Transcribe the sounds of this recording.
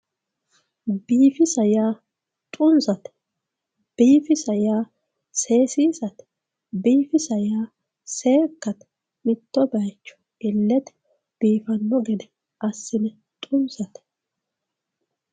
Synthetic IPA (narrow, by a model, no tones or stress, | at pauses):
b̥iːfɪsɐjaː | t̪ʼʊnsɐt̪ɛ̥ | b̥iːfɪsɐjaː | se̞ːsiːsɐt̪ɛ̥ | biːfɪsɐjaː | seːkːɐt̪ | mɪt̪ːɔbɐjt͡ʃːɔ̥ɡɪlːɛt̪ɛ̥ | b̥iːfɐnːɔɡɛd̪ɛ | ʔɐsːɪnɛ | t̪ʼʊnsɐt̪ɛ̥